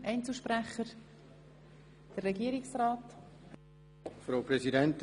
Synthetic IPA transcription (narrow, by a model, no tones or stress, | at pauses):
ʔɛɪnt͡s̩ʃpɾæχəɾ | d̥ərːɛɡiəɾiksraːt | fɾaʊpɾɛzidɛnt